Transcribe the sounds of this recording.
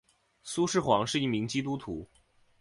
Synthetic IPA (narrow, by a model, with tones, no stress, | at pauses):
su˥ʂɻ̩˥˩xwɑ˧˥ŋʂɻ̩˥˧i˥˩mi˧˥ŋt͡ɕi˥t̪̬u˥t̪ʰṵ˨˧˥